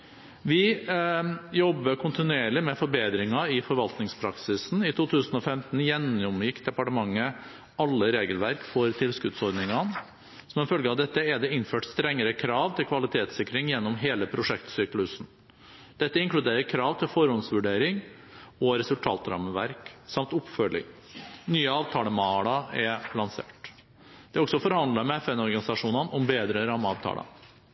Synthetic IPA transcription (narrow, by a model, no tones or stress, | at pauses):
ʋɪ | jɔbːəkʰʊnt̪ɪnʉeːɭɪmɛfɔɾbeːd̪ɾɪŋɑɪfɔɾʋɑlt̪nɪŋspʰɾɑksɪsn̩ɪt̪ʰuːt̪ʰʉːsn̩ɔfɛmt̪n̩jɛnɔmjɪkːd̪ɛpɑʈəmɑŋːə | ɑlːəɾeːɡəlʋæɾkfɔɾt̪ʰɪlskʉd̪sɔɾɖ̪nɪŋɑn | sɔmɛnfœlɡəɑʋd̪ɛt̪ːəɛd̪ɛɪnføːʈst̪ɾɛŋːəɾəkʰɾɑːʋt̪ʰɪlkʰʋɑlɪt̪ʰeːt̪sɪkːɾɪŋjɛnːɔmɦeːləpʰɾʊʂɛkt̪syːklʉsn̩ | d̪̥ɛt̪ːəɪŋklʉd̪eːɾəɾkʰɾɑːʋt̪ʰɪlfɔɾhɔnsʋʉɖeːɾɪŋ | ɔɾɛsʉlt̪ʰɑ̰ːt̪ɾɑ̰məʋæ̰ɾksɑmt̪ʊpːfœlɪ̰ŋ | nyːəɑːʋt̪ʰɑːləmɑlɑɛpʰlɑnsḛːʈ | d̪̥ɛæɾɔksɔfɔɾhɑnd̪lɑmɛɛfɛnɔɾɡɑnɪsɑʂuːnɑnʔʊmbeːd̪ɾəɾɑːmɑːʋt̪ʰɑ̰ːlə̰